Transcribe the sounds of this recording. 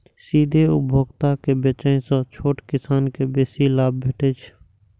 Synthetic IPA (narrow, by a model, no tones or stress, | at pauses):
siːd̪ʱeʊbʱoːɡt̪akebeːt͡ʃəẽsə̃t͡ʃʰoːʈkɪsaːnkebeːsilaːb̚bʱeːʈet͡ʃʰ